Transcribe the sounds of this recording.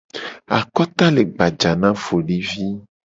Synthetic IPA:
a̰˨kɔ˦t̪a˦le˨ɡ͡ba˨d͡ʒa˨nã˦fo˨ɖi˦vi˦

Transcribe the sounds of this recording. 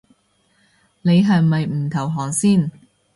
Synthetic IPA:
ne˨˧jɦɐ˨jmɐ˨jm̩˨˩t̪ʰɐ˨˩wɦɔː˨˩ŋsiː˥˨n

